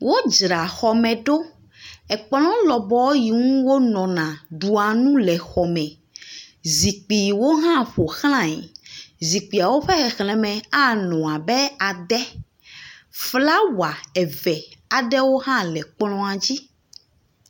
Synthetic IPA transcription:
wo˦d͡ʒɾa˨xɔ˨mɛ̃˨ɖo˦ | ɛ˨k͡plɔ̃˦lɔ˨bɔ˦ji˨ŋũ˦wo˦nɔ̃˨nã˨ɖu˨a˨nũ˦lɛ˨xɔ˨mɛ̃˨ | zi˨k͡pi˨wo˦ɦã˦ɸo˨xl̃ã˦˨ɲi˨zi˨k͡pi˨a˨wo˦ɸɛ˦xɛ˨xl̃ɛ̃˨mɛ̃˨a˦nɔ̃˨a˨bɛ˦a˨ɖɛ˦ | fla˦wa˨ɛ˨vɛ˨a˨ɖɛ˦wo˦ɦã˦lɛ˨k͡plɔ̃˦a˨d͡ʑi˦

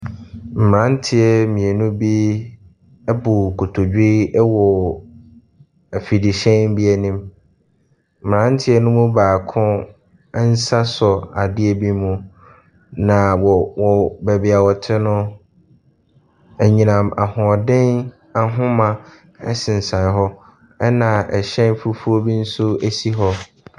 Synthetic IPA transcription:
m̩˨mã˦n̩˦tʰɪ˦ɛ˦mĩ˨e˨nũ˦bi˦ | ɛ˦bu˨kʰo˨tʰo˨d͡ʑᶣi˦wɔ˨ | æ˨fi˨di˨ɕɛ̃˦bi˦æ˨nĩ˦m | m̩˨mã˦n̩˦tʰɪ˦ɛ˦nʊ̃˦mʊ̃˦baː˨kʰʊ̃˦ | n̩˦sa˦sɔ˨a˨dɪ˦e˨bi˦mũ˨ | nã˨wɔ˨wɔ˨bɛ˨bɪ˨a˨wɔ˨tʰɪ˦nʊ̃˦ | ɛ˨ɲĩ˨nã˨ma˨hʊ̃˨ɔ˨dɪ̃˦n | a˨ɦʊ̃˦mã˨ | ɛ̰˦sɪ̃˨n̩˨sã˨ɦɔ˦ | ɛ˦nã˨ɛ˨ɕɛ̃˦n˦fu˦fu˦o˦bi˦n̩˦sʊ˦æ˦si˦ɦɔ˦

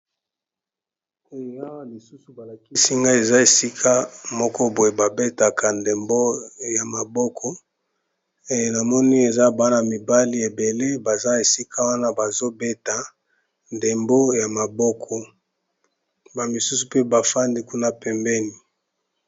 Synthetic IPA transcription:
ku˦ji˨a˦wa˦li˨su˦su˨ba˨la˨ki˦si˦ŋɡa˦e˨za˦e˨si˦kʰa˦mɔ˦kɔ˦bo˨e˨ba˨be˦ta˨ka˨nde˨mbo˦ja˨ma˨bɔ˦kʰɔ˦ | e˨je˨na˨mɔ˦ni˦e˨za˦ba˨˦na˨mi˨ba˦li˦e˨be˨le˦ba˨za˦e˨si˦kʰa˦wa˦na˦ba˨zo˦be˦ta˨ | nde˨mbo˦ja˨ma˨bɔ˦kʰɔ˨ | ba˨mi˨su˦su˨pe˦ba˨fa˦ndi˦ku˦na˦pɛ˨mbɛ˦ni˨

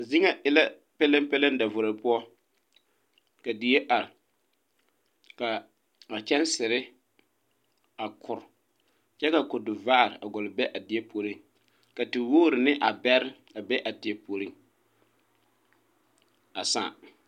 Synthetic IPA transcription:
zɪ˦ŋa˦ʔɪ˨la˦ | pɛ˦la˦mpɛ˦la˦n˦da˨vʊ˨ɾa˨˦pʊ˦ɔ˦ | ka˨di˨je˦ʔa˨ɾɪ˨ | ka˨ | a˨t͡ʃɛ˦nsɪ˨ɾɪ˦ | a˨kʰʊ˨ɾʊ˨ | t͡ʃɛ˦ka˨ko˨dʊ˨vaː˦˨ɾɪ̰˨ʔa˨ɡɔ˨lɪ˨bɛ˦ʔa˨dɪ˨e˦pʰo˨ɾi˦ŋ | ka˨tɪ˨woː˦˨ɾɪ˨nɪ˦ʔa˨bɛ˦ɾɪ˦ | a˨bɛ˦ʔa˨dɪ˨ɛ˦po˨ɾi˦ŋ | a˨sa̰ː˦˨

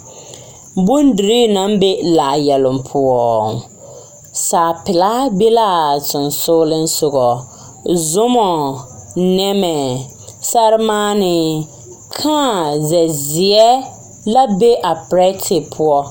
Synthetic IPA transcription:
bʊ˦ndɪ˨ɾi˦na˦mbe˦laː˨jɛ˨lʊ˨m˨pʰʊ˦ɔ˦ | saː˨pɪ˨la˦be˦la˦tɪ˨n˨sʊ˦lɪ˦n˦sʊ˨ɣɔ˨ | zʊ˦mɔ˨ | nɛ˦mɛ˨ | sa˦ɾɪ˦maː˦nɪ˨ | kʰaː˦˨zɛ˨zɪ˨ɛ˦ | la˦be˦ʔa˨pɾɛ˦tʰɪ˨pʰʊ˦ɔ˦

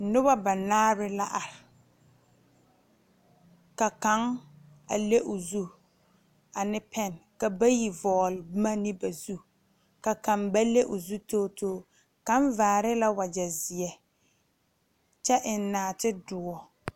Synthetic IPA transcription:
nʊ˦ba˦ba˨naː˦ɾɪ˦la˦ʔa˨ɾɪ˨ | ka˨ka˨˦ŋ | a̰˨le˦ʔʊ˨zu˦ | a˨nɪ˦pʰɛ˦˨nka˨ba˦ji˨vɔː˨lma˦nɪ˦ba˨zu˦ | ka˨ka˨ŋba˦le˦ʔʊ˨zu˦toː˦tʰoː˦˨ | ka˦ɱ˦vaː˨ɾɪ˦la˦wa˨d͡ʒa˨zɪ˨ɛ˨ | t͡ʃɛ˦ʔɪ˨nː˦aː˨tɪ˦dʊ˨ɔ˨

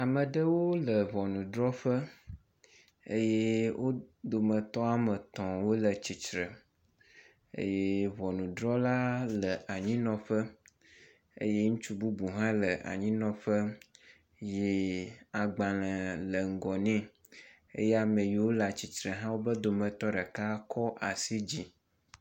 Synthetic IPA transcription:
a˨mə̃˨ɖə˦wo˦lə˨vɔ˨nũ˨ɖɾɔ˦ɸə˦ | ḛ˦je˦wʔo˦d̪o˨mə̃˨t̪ɔ˦a˦mə˨t̪ɔ̃˨wo˦lə˨t͡ɕi˨t͡ʃɾə˨ | ḛ˦je˦vɔ˨nũ˨dɾɔ˦la˦lə˨ʔa˨ɲĩ˦nɔ̃˨ɸə˦ | ḛ˦je˦ŋũ˦t͡ʃu˦bu˦bu˨ɦã˦lə˨ʔa̰˨ɲĩ˦nɔ̃˨ɸə˦ | je˨a˨ɡ͡ba˨l̃ə̃˨lə˨ŋ̩˨ɡɔ˨nɛ̃˦ | ḛ˦je˦a˨mẽ˨ji˨wo˦la˨t͡ɕi˨t͡ʃɾə˨ɦã˦wo˦bə˦d̪o˨mə̃˨t̪ɔ˦ɖɛ˨ka˦kʰɔ˦ʔa˨si˦d͡ʑi˦

